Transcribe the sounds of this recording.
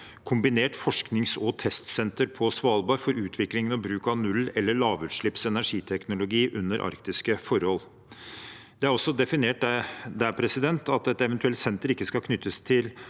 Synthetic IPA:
kʰʊmbɪneːʈfɔʂknɪŋsɔːt̪ʰɛst̪sɛnt̪əɾpʰɔsʋɑːlˠbɑːɾfɔɾʉːt̪ʰʋɪklɪŋənɔbɾʉːkɑʋnʉlːɛlːəɭɑːʋʉt̪ʂɭɪpsɛnæʂiːt̪ʰɛknʊlʊɡiːʔʉnːəɾʔɑ̰ɾkt̪ɪskəfɔɾhɔl | d̪ɛæɾɔsːɔd̪ɛfɪneːʈd̪æpʰɾɛsɪd̪ɛnt̪ɑt̪ɛt̪ɛʋɛnt̪ʉɛlt̪sɛnt̪əɾɪkːəskɑkʰnʏt̪ʰːəst̪ʰɪl

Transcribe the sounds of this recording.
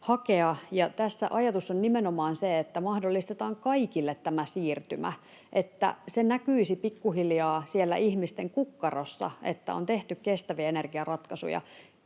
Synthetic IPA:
hɑkeɑjɑt̪æsːæ̰ʔɑjɑt̪usːonnimenomɑːnseet̪ːæmɑhdolːist̪et̪ɑːŋkɑikilːet̪tæmæsiːrt̪ymæ̰ | ʔet̪ːæ̰senækyisipikːuhiljɑːsielːæ̰ʔihmist̪eŋkukːɑrosːɑ̰ḛt̪ːæ̰o̰nt̪eht̪ykkːest̪æʋiæenerɡ̥iɑrɑt̪kɑsṵjɑ̰

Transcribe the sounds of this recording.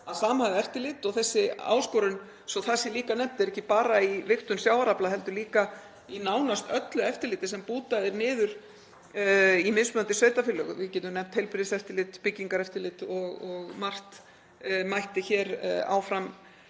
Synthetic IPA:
aðsaːmhaɣðɛft̪ɪlɪːt̪ɔɣθɛsːɪa̰ːwskɔɾʏn | sɔθasːɪliːkanɛm̥t̪ɛɾɛhcːɪpaːɾaivɪxt̪ʏnsjaːwvaɾaplaðɦɛlt̪ʏliːka | inaːwnast̪œt̪lʏɛft̪ɪɾlɪːt̪ɪsɛmpuːt̪aðɪnɪːðʏɾ̥ | imɪnsmœnt̪ɪsveːjt̪afɪlœɣʏ̰vɪcɛt̪ːʏmnɛm̥t̪hejlpɾɪðɪsɛft̪ɪlɪt̪pɪcːiŋkaɾɛft̪ɪlɪt̪ɔɣɔɣmar̥t̪ | majht̪ɪçɛːɾa̰ːwfɾam

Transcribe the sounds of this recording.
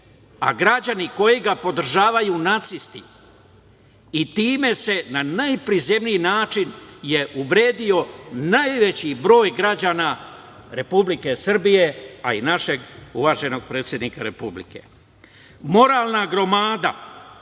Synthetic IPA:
a̰ɡɾad͡ʑaniko̞jiɡapo̞d̪r̩ʒaːʋajuːnat̪sist̪i | it̪iːme̞se̞nanajpɾize̞mnijinaːt͡ʃinje̞ʔuʋɾe̞ːd̪io̞najʋe̞t͡ɕibɾo̞ːjɡɾad͡ʑaːna | ɾe̞publike̞sr̩bije̞a̰ḭnaʃe̞ɡṵʋaːʒe̞no̞ɡ̚pɾe̞ːt̪sjed̪nikaɾe̞publḭke̞̰ | mo̞ɾaːlˠnaɡɾo̞maːd̪a̰

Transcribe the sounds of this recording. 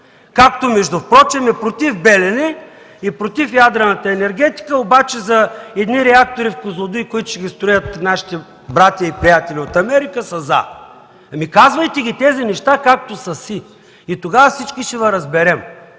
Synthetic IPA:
kak̚t̪omɛʒd̪ʊfpɾɔt͡ʃɛmɛpɾot̪ifbɛlɛnɛ | ipɾot̪ifjad̪ɾɐnɐt̪əɛnɛɾɡʲɛt̪i̥kəobat͡ʃɛzɐɛd̪niɾɛak̚t̪oɾifkozlˠʊd̪ikʊit̪ʊ̥ʃɛɡʲist̪ɾʊjət̪naʃi̥t̪ɛ | bɾat̪ʲjɐipɾijat̪ɛlʲiot̪ɐmɛɾikəsɐza̰ | ɐmikazvɐjt̪ɛɡʲit̪ɛzinɛʃt̪akak̚t̪osɐsi | it̪oɡavɐfsit͡ʃkiʃɛvɐɾɐzbɛɾɛm

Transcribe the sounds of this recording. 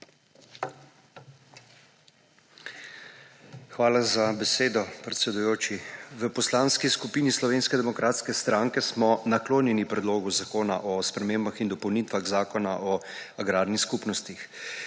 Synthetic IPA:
xʋaːlazabɛseːd̪ɔpɾɛt̪sɛd̪ujoːt͡ʃiʋəpɔslaːnskiskupiːnislɔʋeːnskɛd̪ɛmɔkɾaːt̪skɛst̪ɾaːŋkɛsmɔnakloːnjɛnipɾɛd̪loːɡuzakoːna̰ʔɔspɾɛmeːmbaxind̪ɔpɔwnit̪ʋaɣzaːkɔnaʔɔaɡɾaːɾnixskupnɔst̪ix

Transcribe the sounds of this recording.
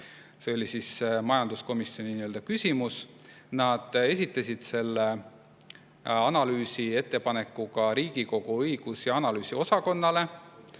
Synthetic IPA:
se̞olʲisismɑjɑnd̪̥usko̞misːio̞niniøld̪ɑkysʲimus | nɑd̪̥e̞s̬ʲit̪ːˑɑsʲid̪̥se̞lːe | ɑnɑlyːsie̞t̪ˑːe̞pɑne̞kːˑukɑɾiːɡ̥iko̞ɡ̥uɤjɡ̥usjɑɑnɑlyːsio̞sɑko̞nːɑle̞

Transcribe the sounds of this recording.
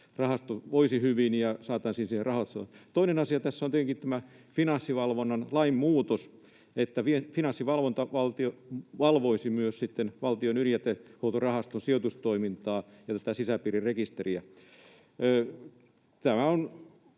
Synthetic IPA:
rɑhɑst̪oʋoisihyʋinjɑsɑːt̪ɑːnsiːnsiherɑhot̪st̪oinenɑsiɑt̪æsːoneteŋkit̪æmæ | finɑnsːiʋɑlʋonːɑnlɑimmuːt̪os | et̪ːæfifinɑnsːiʋɑlʋont̪ɑʋɑlt̪ioʋɑlʋoisimyøssit̪ːenʋɑlt̪ionyljæt̪ːehout̪orɑhɑst̪onsiot̪ust̪oimint̪ɑːjɑt̪æt̪æsisæpiːɾirrekist̪eriæː | t̪æmæon

